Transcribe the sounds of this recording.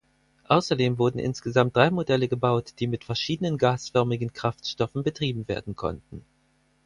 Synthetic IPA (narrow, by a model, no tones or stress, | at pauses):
ʔaʊsɐdeːmvʊɐdn̩ʔɪ̰nsɡ̥əzamt̚d̥ʁaɪmodɛləɡəbaʊtd̥iːmɪtfɛɐʃiːdənənɡaːsfœɐmɪɡn̩kʁ̥aftʃtɔfn̩bətʁ̥iːbm̩vḛːɐdn̩kʰɔ̰ntn̩